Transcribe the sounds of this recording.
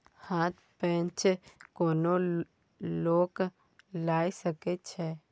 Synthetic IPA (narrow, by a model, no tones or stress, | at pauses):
haːt̪ | pɛ̃nt͡ʃkoːno | loːk | laːisəket͡ʃʰe